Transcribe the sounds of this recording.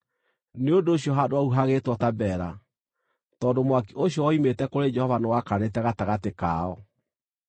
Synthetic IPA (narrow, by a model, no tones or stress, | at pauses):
neodoːɕiɔɦadoauɦaɣetwɔtabɛːɾa | tɔːndomwakiʔoɕjɔwɔimetɛkoɾed͡ʒɛhɔvanewakanetɛɣataɣateka̰ːɔ